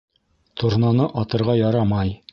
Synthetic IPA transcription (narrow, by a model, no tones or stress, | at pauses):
t̪ʰŏɾnɑnɤʔɒt̪ɤ̆ɾʁɑjɑɾɑmɑj